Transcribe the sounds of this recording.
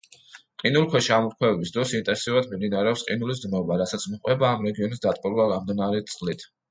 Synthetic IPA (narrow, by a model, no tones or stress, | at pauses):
qʼinulikʰwɛʃiamuɾkʰwɛɛbisd̪ɾɔsint̪ʼɛnsiuɾad̪mimd̪inaɾɛɔpsqʼinulisd̪nɔbaɾasat̪sʰmɔqʼwɛbaːmɾɛɡiɔnisd̪at̪ʼqʼɔlaɡamd̪naɾɛt̪sʼqʼlit̪ʰ